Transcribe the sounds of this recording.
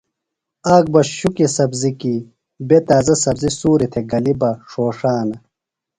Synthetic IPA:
aːɡ̚bɐɕukisɐbziki | bet̪aːzɐsɐbzisuːɾit̪ʰeɡɐlibɐʂoːʂaːnɐ

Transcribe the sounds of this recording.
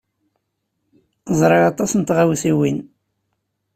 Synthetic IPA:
zˤɾˤɑʁɑt̪ˤɑsnt̪ʁawθiwin

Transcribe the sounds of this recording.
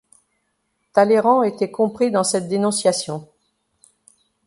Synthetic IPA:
t̪aleʁɑ̃et̪ɛkɔ̃pχid̪ɑ̃sɛt̪̚d̪enɔ̃sjasjɔ̃

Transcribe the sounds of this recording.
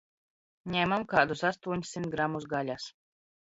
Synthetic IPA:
ɲɛːmamkaːd̪usast̪uɔɲʲsːimt̪̚ɡɾamːusɡalʲas

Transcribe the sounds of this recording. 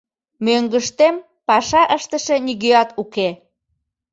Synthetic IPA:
møŋɡəʃt̪em | pɑʃɑʔəʃt̪əʃeniɣøɑt̪uke

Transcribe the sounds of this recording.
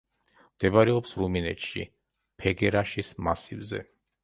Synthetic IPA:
md̪̥ɛbaɾɛɔpsɾuminɛ̰t̪ʃḭ | pʰɛɡɛɾaʃismasivzɛ̰

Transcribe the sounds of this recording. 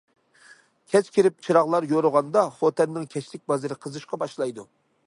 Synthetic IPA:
kʲʰɛt͡ʃkʲʰiɾɪp̚t͡ʃʰɨɾɑʁlˠɑɾjoɾʊʁɑnd̪ɑχot̪ʰɛnːɪŋkʲʰɛt͡ʃlɪk̚ʲbɑzɨɾɨqʰəzɨʃqɑbɑʃlˠɑjd̪u

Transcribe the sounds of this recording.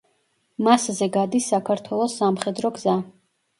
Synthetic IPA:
maszɛɡad̪isːakʰaɾt̪ʰwɛlˠɔsːamχɛd̪ɾɔɡza

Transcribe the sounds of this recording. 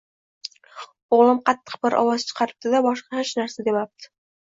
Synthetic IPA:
oʁlˠɪmqʰɑt̪ʰːɨ̥q̚bɪɾʔɒ̰wɑz̥t͡ʃʰɨ̥qʰɑɾɪp̚t̪ɪd̪abɒʃqɑhɪʃnaɾsad̪e̞pap̚t̪ʰɪ̥

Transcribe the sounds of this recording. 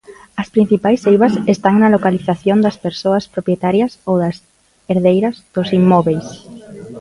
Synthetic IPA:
ɐspɾĩn̟θipajsːejβɐsest̪aŋnɐlokaliθaθjond̪ɐspeɾsoɐspɾopjet̪aɾjɐsowðɐs | eɾðejɾɐzð̥ʊsimːɔβejs

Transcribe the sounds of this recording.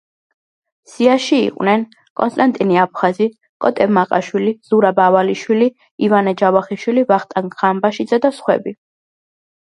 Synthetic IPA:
siaʃiḭqʼwnɛn | kʼɔnst̪ʼant̪ʼiniap̚ʰχazi | kʼɔt̪ʼɛmaqʼaʃwiliz̥uɾabavaliʃwili | ivanɛd͡ʒavaχiʃwilivaχt̪ʼaŋkʁambaʃid̪zad̪asχwɛ̰bi

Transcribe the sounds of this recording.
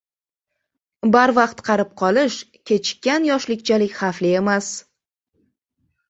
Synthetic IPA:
baɾvɑqt̪qʰɑɾɪp̚qʰɒlɪʃ | kʲʰe̞t͡ʃʰɪ̥kʲːanjɒʃlɪkʲt͡ʃʰalɪkʲχɑflɪe̞mas

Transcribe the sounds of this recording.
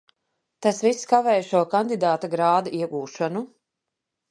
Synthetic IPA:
t̪asvisːkavɛːjʃuɔkand̪id̪aːt̪aɡɾaːd̪aiɛɡuːʃanu

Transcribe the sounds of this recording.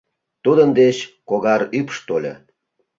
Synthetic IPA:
t̪ud̪ənd̪et͡ɕkoɣɑɾypʃt̪olʲḛ

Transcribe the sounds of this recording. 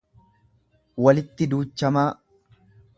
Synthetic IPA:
wɐlɪt̪ːɪd̪uːt͡ʃːɐmaː

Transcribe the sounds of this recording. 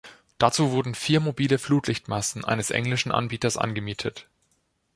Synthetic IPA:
d̥at͡suːvʊɐdn̩fiːɐmobiːləfluːtlɪçtmasn̩ʔa̰ɪnəsʔɛ̰ŋlɪʃn̩ʔa̰nbiːtɐsʔa̰nɡəmiːtʰət

